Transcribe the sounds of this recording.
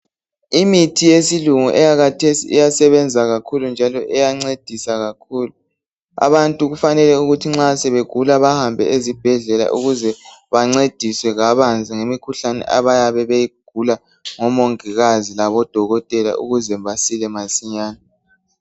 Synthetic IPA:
imitʰijesiluŋuʔɛjaɣatʰesḭɛjasɛβɛnd͡zʱaɣakʰulund͡ʒʱalɔʔɛjaŋ͡ǀed̥ʱisaɣakʰuːlu | a̰βantʼuɣufanɛlɛuɣutʰiŋ͡ǁasɛβeɡ̥ʱulaβahambʱɛ̰ʔezib̥ʱɛɮɛla̰ʔuɣuzɛβaŋ͡ǀed̥ʱiswɛɣaβand͡zʱiŋemikʰuɬanɛ̰ʔa̰βajaβɛβejiɡ̥̚ʱula | ŋɔmoŋiɣazilaβɔd̥ʱɔɣɔtʼɛla̰ʔuɣuzɛmβasilɛmasiɲaːna

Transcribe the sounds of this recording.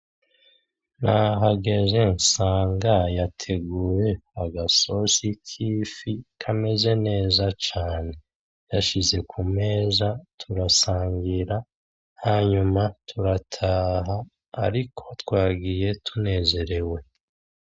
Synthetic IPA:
naɦaɡe̞ʒe̞nsaːŋɡajatʰe̞ɡuːɾe̞aɡaso̞sitʰifikʰame̞ze̞ne̞ːzat͡ʃaːne̞ | jaʃize̞kʰume̞ːzatʰuɾasaːŋɡiɾa | haɲumatʰuɾatʰaːɦaː | ɾikʰo̞twaːɡije̞tʰune̞ːze̞ɾe̞we̞

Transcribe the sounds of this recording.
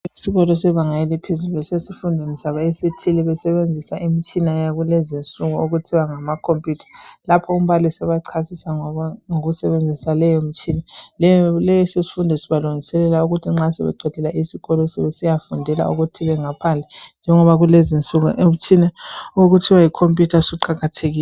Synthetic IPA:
isiɣɔlɔsɛβaŋajɛlɛpʰezuluɛsesifundʱenisaβaesitʰilɛβɛsɛβend͡zʱisaʔimit͡ʃʼinajaɣulɛzint͡sʼuɣuoɣutʰiwaŋamakʰompʼjutʰḁlapʰɔum̩βalisɛβaǀʰasisaŋɔaŋoɣusɛβend͡zʱisalɛjɔmit͡ʃʼinalɛjɔlɛjɔsesi̥fundʱɛsi̥βaluŋisɛlɛlauɣutʰiŋ͡ǁasɛ̰βɛ̰ǃɛd̥ʰʱɛlaʔisiɣɔlɔsɛβesijafundʱɛla̰oɣutʰilɛŋapʰand͡ɮʱɛnd͡ʒʱɛŋɔβaɣulɛzint͡sʼuɣuʔem̩t͡ʃʰinaoɣutʰiwajikʰompʼjutʰasuǃaɣatʰeɣiːɛ

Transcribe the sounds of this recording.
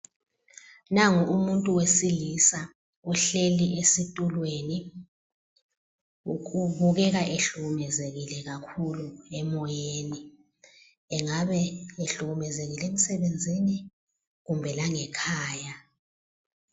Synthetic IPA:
naŋuumuntʼuwesilisa | ɔɬeliʔesitʼulweni | ukuβuɣɛɣ̬aʔeɬuɣumɛzeɣilɛɣakʰuluɛmɔjeni | ɛŋaβɛeɬuɣumɛzeɣilem̩sɛβend͡zʱini | ɣumbʱɛlaŋɛkʰaːja

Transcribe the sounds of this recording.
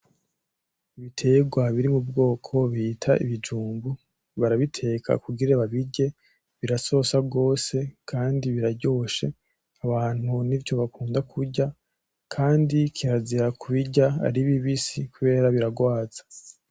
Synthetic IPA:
iβitʰe̞ːɡwaβiɾimubɡo̞ːkʰo̞βitʰaʔḭβid͡ʒuːmbu | βaɾaβitʰe̞ːkʰa̰kuɡiɾeβaβiɟe̞ | βiɾaso̞sab̚ɡo̞ːse̞kʰaːndiβiɾaɾɟo̞ːʃe̞ | aβaːn̥huniɾco̞βakuːndakʰuɾɟa | kʰaːndikʰiβaziɾakʰuβiɟaa̰ɾiβiβisikuβe̞ːɾaβiɾaɡwaːz̥ḁ

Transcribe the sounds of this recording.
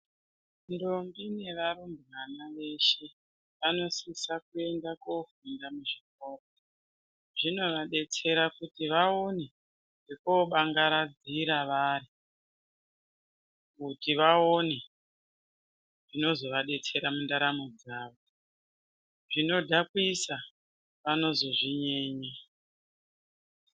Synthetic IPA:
ndo̞mbine̞ʋaɾumbimanaʋe̞ʃe̞ | ʋano̞sisakue̞ndakofundamuʐik̚oːro | ʐino̞ʋaɗe̞t͡se̞ɾakutiʋaone | ʐekoɓaŋɡaɾad͡ziɾaʋari | kutiʋaone | ʐino̞zo̞ʋaɗe̞t͡se̞ɾamundaɾamod͡zaːʋo | ʐino̞dʱakuisa | ʋano̞zo̞ʐiɲe̞ːɲe

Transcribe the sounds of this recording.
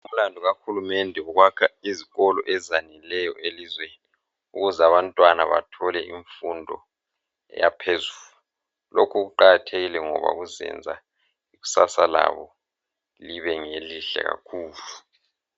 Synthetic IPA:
um̩landʱuɣaxulumɛndʱɛuɣwakʰaiziɣɔlɔ̰ʔɛzanilɛjɔʔelizweni | uɣuzaβantʼwanaβa̰tʰɔlɛʔiɱfundʱɔ | ɛ̰japʰezulu | lokʰuɣuǃaɣatʰeɣilɛŋɔ̰βa̰ɣuzɛ̰nd͡zʱa̰ | iɣu̥sasala̰βɔ | liβɛŋeliɬɛ̰ɣa̰kʰuːlu

